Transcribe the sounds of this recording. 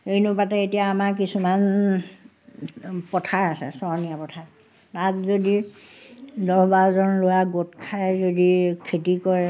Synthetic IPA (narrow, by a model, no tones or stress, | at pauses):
xejnʊpatɛetijaːmaɹkisuman | pɔtʰaɹasɛ̰sɔɹnijapɔtʰaɹ | tatzodi | dɔbaɔzɔnlojaɡotkʰajzodikʰetikɔɹɛ